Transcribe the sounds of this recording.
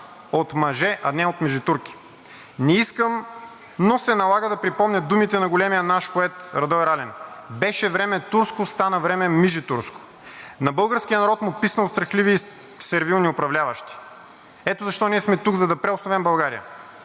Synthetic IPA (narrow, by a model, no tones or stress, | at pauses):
ot̪mɐʒɛʔɐnɛot̪miʒit̪uɾk̟i̥ | nɛiskəm | nosɛnɐlˠaɡəd̪ɐpɾipɔmɲʲəd̪umit̪ɛnɐɡolɛmijənaʃpoɛt̪ɾɐd̪ɔɛɾalɛnbɛʃɛvɾɛmɛt̪uɾskʊst̪anɐvɾɛmɛmiʒit̪uɾskʊ̥ | nɐbɤlˠɡəɾskʲijənɐɾɔt̪mʊpisnɐlˠst̪ɾɐxliviː | sɛɾvilˠniʊpɾɐvlʲavɐʃt̪i̥ | ɛt̪ozɐʃt̪ɔniɛsmɛt̪uɡzɐd̪ɐpɾɛʊsnovɛmbɐlˠɡaɾḭjə̰